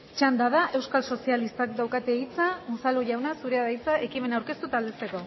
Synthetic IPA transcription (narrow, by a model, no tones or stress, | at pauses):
t͡ʃand̪að̞aʔe̞wskalso̞sialist̪akd̪awkat̪e̞it͡samusaluʝawnasuɾeaðajt͡saʔe̞kime̞nawɾke̞st̪ut̪ald̪e̞se̞ko̞